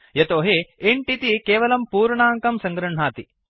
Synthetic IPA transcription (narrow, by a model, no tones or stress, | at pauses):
jɐt̪oːɦeeɳʈit̪ikeːʋɐlɐmpuːɾɳaːŋkɐmsɐŋɡɾuɳɳaːt̪i